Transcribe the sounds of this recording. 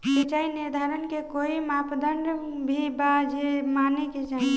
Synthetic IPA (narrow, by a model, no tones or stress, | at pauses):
ket͡ʃaɦiniɾd̪ʱaɾənkekoimapd̪əɳɖ | bʱibad͡ʒemaneket͡ʃaɦi